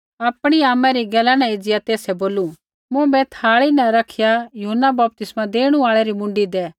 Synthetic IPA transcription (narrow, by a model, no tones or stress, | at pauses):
ɐpɽ̃iaːmɛ̃ɾiɡɛːlanɛ̃ed͡zɪjat̪eːsɛboːlu | mʊ̃bɛt̪ʰaːɭinɛ̃ɾɐkʰɪjajʊɦənːabɐp̚t̪ɪsmãd̪eːɽ̃ũaːɭɛɾimʊ̃ɳɖid̪ɛː